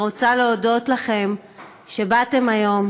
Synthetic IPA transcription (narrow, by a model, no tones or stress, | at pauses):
ʁo̞t͡saleodo̞tlaχe̞m | ʃe̞bate̞majo̞m